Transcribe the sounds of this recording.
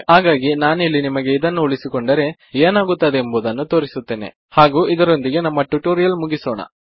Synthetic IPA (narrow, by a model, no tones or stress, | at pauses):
ɦaːɡaːɡinaːnilːinimɐɡe̞id̪ɐnːuuɭisikoɳɖɐɾe̞ | eːnaːɡut̪ːɐd̪eːmbuːd̪ɐnːut̪o̞ːɾisut̪ːeːne̞̰ | haːɡuːʔid̪ɐɾo̞nd̪iɡe̞nɐmːɐʈuʈuːɾijɐlmuɡisoːɳɐ̰